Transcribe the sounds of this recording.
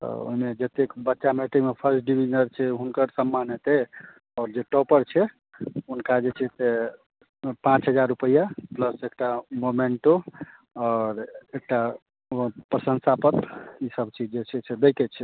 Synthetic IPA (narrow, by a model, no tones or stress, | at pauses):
t̪ɔ̰o̰ɦimed͡ʒət̪ekbətːʃameʈemepʰəɾsʈ̚ɖibid͡ʒnəɾt͡ʃʰɛɦunkəɾsəmːanet̪ɛ | ɔːɾd͡ʒeʈɔpəɾt͡ʃʰɛ | ɦunkad͡ʒet͡ʃʰɛse | pãt͡ʃɦəd͡ʒaɾːupəjapləsekʈamomeɳʈo | ɔːɾek̚ʈa | pɾəsə̃nsapət̪isəbt͡ʃid͡ʒd͡ʒet͡ʃʰɛsʰɛd̪ejkɛt͡ʃʰɛ